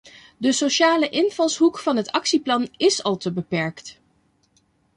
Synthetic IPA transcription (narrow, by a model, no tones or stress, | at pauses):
dəsoʃaːləʔɪnvɑlˠsɦukfɑnɦətɑksiplɑnɪsɑlˠtəbəpɛɹkt